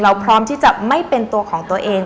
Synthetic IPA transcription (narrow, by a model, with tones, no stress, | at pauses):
ɾa˧wpʰɾɔː˦˥mt̪ʰiː˥˩t͡ɕa˨˩ma˥˩jpe˧nt̪u˧ɐkʰɔː˩˦ŋt̪u˧ɐʔeː˧ŋ